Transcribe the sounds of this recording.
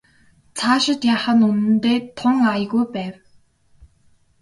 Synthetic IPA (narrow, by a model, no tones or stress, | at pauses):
t͡sʰaːʃɪ̆t̪jaːχə̆nunɘ̆nt̪eːt̪ʰʊŋajɣujpæːw